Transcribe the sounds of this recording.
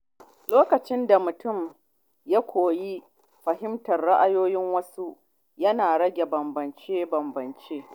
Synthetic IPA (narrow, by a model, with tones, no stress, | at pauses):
loː˦kɐ˨t͡ʃɪ˦nda˨mʊ˨tʊ˦˨m | jaː˦kʷʰoː˨ji˦ | ɸɐ˨ɦɪ˦mtɐ˨rːa˦ʔa˦joː˦jɪ˦ŋwɐ˦su˦ | jɐ˦naː˨ɽɐ˦ɡʲe˨bɐ˨mbɐ˨nt͡ʃeː˦bɐ˨mbɐ˨nt͡ʃeː˦